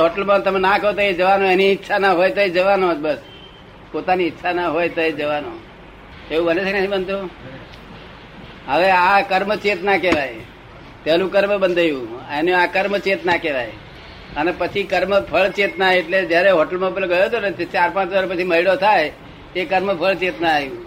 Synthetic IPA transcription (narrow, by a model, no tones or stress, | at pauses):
ɦoʈəlmãt̪əmenakəɦot̪oed͡ʒəʋanoeniːtːʃʰanaɦojt̪oed͡ʒəʋanobəs | pot̪aniːtːʃʰanəɦojt̪oed͡ʒəʋano̰ | eũbənet͡ʃʰeknət̪ʰĩbənd̪ʱo | ɦəʋeakəɾmət͡ʃet̪nakeʋaj | t̪elũkəɾmbənd̪ʱəjũenũakəɾmət͡ʃet̪nakeʋaj | ənepət͡ʃʰikəɾməpʰəɭt͡ʃet̪naeʈled͡ʒjaɾeɦoʈəlmapelɡəjoɦət̪oneet͡ʃaɾpãt͡ʃʋəɾpət͡ʃʰiməɦiɭot̪ʰaj | ekəɾməpʰəɭt͡ʃet̪najũ